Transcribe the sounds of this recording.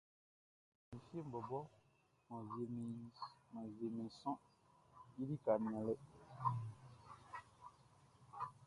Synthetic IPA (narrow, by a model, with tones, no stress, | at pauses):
mi˨fi˦e˦m̩˨bɔ˨bɔ˦ | mã˨ze˨m˨mã˨ze˨mĩ˨sɔ̃˦ | ji˦di˦ka˨mĩ˨ã˨le˦